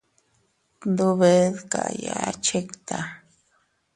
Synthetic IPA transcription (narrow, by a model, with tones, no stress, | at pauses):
nd̪u˧βe˧˦ðka˨ja˧˦t͡ʃe˦kt̪a˨